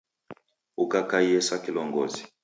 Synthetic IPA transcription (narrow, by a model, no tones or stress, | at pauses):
ukakaiɛsakilɔŋɡɔ̰zi̥